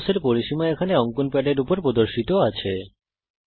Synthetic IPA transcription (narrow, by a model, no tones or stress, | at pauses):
seɾpoɾiʃimaekʰaneɔŋkunpɛɖeɾupoɾpɾod̪oɾʃit̪oat͡ɕʰe